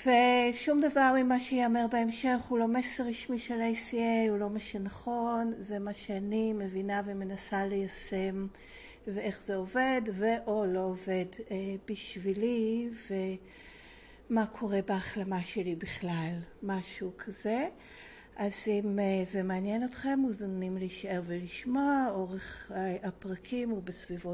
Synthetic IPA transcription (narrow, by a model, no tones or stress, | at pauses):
v̥eʃumd̪avaʁimaʃeiameʁbeemʃe̞χhulo̞meseʁiʃmiʃelejsiejulo̞meʃanaχo̞nzemaʃeanime̞vinaveme̞nasale̞jasem | veeχz̥eove̞dveʔo̞lo̞ːve̞debiʃvilive | makʰo̞ʁe̞baaχlamaʃe̞libiχlalmaʃukʰaze̞ | ʔazimzemeanjenotχe̞mːuzanimleiʃae̞ʁveliʃmoao̞ʁeχapʁakʰimobesvivo